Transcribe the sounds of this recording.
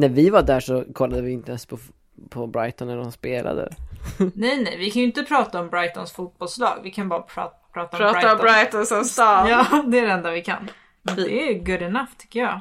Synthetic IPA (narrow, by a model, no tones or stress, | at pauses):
næɾvɪvaɖæʂɔkʰɔlːad̪əvɪɪnt̪əɛnspʰɔ | pʰɔbɾajt̪ɔnːædɔmspeːla̰d̪ə̰nɛjnɛjvɪkʰanjʏɪnt̪əpʰɾɑːt̪aɔmbɾajt̪ɔnsfut̪̚bɔlslɑ̰ːɡvɪkʰanbɑːɾapʰɾɑ̰ːt | pʰɾɑːt̪aɔɾɑːbaabɾajt̪ɔnsɔst̪ɑːɑːd̪ɛæɖɛɛnd̪avɪkʰa̰n | mɛnvɪɛɡɵlːɛnaft̪ʰʏ̥kːəjɑ̰ː